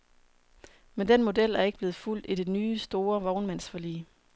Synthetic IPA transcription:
mend̥enmo̝d̥el̰æɐe̝ɡ̥əb̥le̝ːð̩ˠful̰d̥id̥e̝nyːsd̥o̝ːɐʋɒʊnmæn̰sfɒlḭː

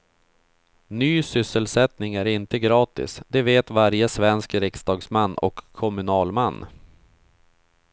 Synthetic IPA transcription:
nyːsʏsːəlsɛt̪nɪŋæɾɪnt̪əɡɾɑːt̪ɪ̰sd̪ɛveːt̪vaɾjəsvɛnskɾɪksd̪ɑːɡsmanːɔ̰kʰːɔmɵnɑːlmanː

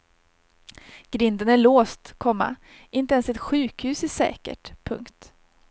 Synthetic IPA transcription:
ɡ̥ɾɪnd̪ənæɭoːst̪kʰɔmːa̰ | ɪnt̪əɛnsɛt̪ɧʉ̟ːkhʉ̟ːsæʂɛ̰ːkə̰ʈpʰɵ̰ŋkt̪

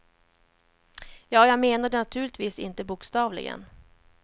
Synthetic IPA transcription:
jɑːjɑːmeːnaɖɛnat̪ʰʉ̟ːɭɪt̪viːsɪnt̪əbʊkst̪ɑːvlɪ̰ɡə̰n

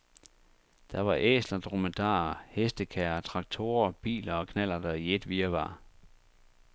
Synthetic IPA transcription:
d̥ɑ̈ʋɑ̈ʔḛslɐd̥ʁomæd̥ɑ̰̈ːɐhesd̥əkʰæɐt͡sʰʁɑ̈ɡ̥̚t͡sʰo̝ːɐb̥ḭːlɐɒ̽kʰnæl̰ɐd̥ɑie̝d̥ʋiːɐʋɑ̈ː

